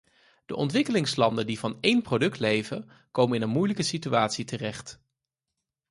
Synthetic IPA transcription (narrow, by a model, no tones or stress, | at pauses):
d̥əʔɔntʋɪkəlɪŋslɑndəndivɑnejnprowdɵk̚tlejvə | kowmənɪnənmujləkəsityaːtsitərɛχt